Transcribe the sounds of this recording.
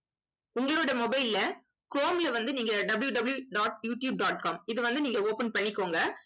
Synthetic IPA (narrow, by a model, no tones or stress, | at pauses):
ʊŋɡɐɭoːɽɐmɔbɐɪlɪlɐ | kɾoːmɪlɐʋɐnd̪ɯniːŋɡɐɖɐbɪljuɖɐbɐljuɖaːʈjuːʈjuːb̚ɖaːʈ̚kaːmɪðɯʋɐnd̪ɯniːŋɡɐoːpɐnpɐɳːɪkːoːŋɡɐ